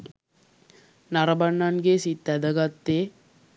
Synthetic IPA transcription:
nɐɾɐbɐɳːɐnɡesit̪ːɐd̪ɐɡɐt̪ːe

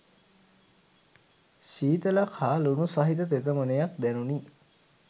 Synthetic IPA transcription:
ʃiːt̪əlakʰaːlunusaɦit̪ət̪et̪əmənəjak̚d̪ɛnuni

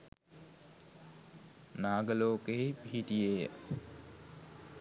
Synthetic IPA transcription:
naːɡəloːkeɦipiɦiʈijejə̰

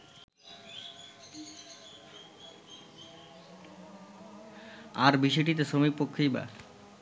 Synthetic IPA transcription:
aɾbiʃɔjʈit̪̬eʃomik̚pokʰːijba̰

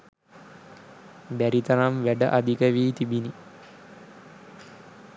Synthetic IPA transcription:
bæɾit̪ɐɾamʋæɖəʔad̪ikəʋiːt̪ibini

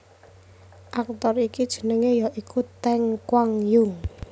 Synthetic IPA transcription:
ʔak̚t̪ɔrikid̥ʒ̥ə̤nəŋejaʔikut̪ɛŋkwaŋjʊŋ

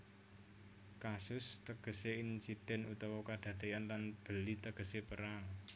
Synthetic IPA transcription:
kasʊst̪əɡ̥ə̤seinsid̪̥ɛ̤nut̪ɔwɔkad̥a̤d̪̥e̤janlanb̥ə̤lit̪əɡ̥ə̤sepəɾaŋ

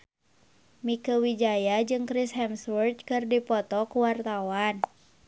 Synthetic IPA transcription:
mikəwid͡ʒajad͡ʒɨŋkɾishɛmswərt̪̚kɨrdipɔt̪ɔkuwart̪awan

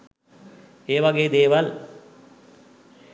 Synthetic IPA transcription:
eːʋaɡeːd̪eːʋal

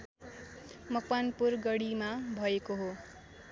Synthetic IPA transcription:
mʌkbanpurɡʌɽimabʱʌekoɦo

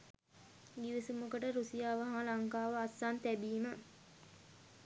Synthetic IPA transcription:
ɡiʋisumukəʈəɾusijaːʋəɦãlaŋkaːʋəasːaːnt̪æbiːmə

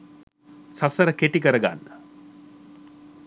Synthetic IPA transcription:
sɐsɐɾəkeʈikəɾəɡa̰nːə

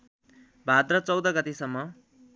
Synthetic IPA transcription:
bʱad̪ɾʌt͡sʌwd̪ʌɡʌt̪esʌmːʌ

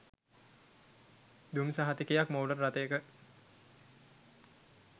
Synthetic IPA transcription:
d̪umsaɦat̪ikijakmoːɖərːat̪əjəkə

